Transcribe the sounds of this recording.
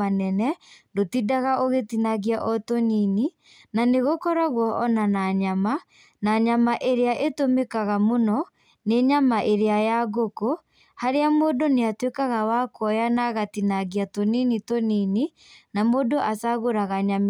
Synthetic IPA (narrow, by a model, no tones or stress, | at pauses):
anɛnɛndotidaɣaʔoɣetinaɣiaʔɔtonini | naneɣokɔɾaɣwɔʔɔnanaɲama | naɲamaʔeɾeaʔetomekaɣamonɔ | neɲamaʔeɾeajaɣoko | haɾeamoːdoneatwekaɣawakɔjanaɣatinaɣiatoninitonini | namodoʔasaɣoɾaɣaɲam